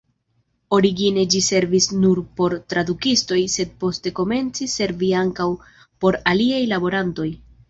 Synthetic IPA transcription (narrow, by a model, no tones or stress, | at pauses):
o̞ɾiɡine̞d͡ʒise̞ɾvisnuɾpo̞ɾtɾad̪ukisto̞jse̞d̚po̞ste̞ko̞me̞nt͡sise̞ɾviaŋkaw | po̞ɾaliajlabo̞ɾanto̞j